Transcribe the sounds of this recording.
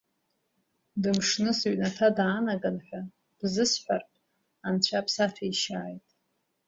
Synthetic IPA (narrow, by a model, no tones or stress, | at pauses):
dɨmʂnɨsɥnatʰadaːnaɡanħʷᶣa | b̥zɨsħʷᶣarpʼ | ant͡ɕʷʰapʰsatʰaiʃaːjtʼ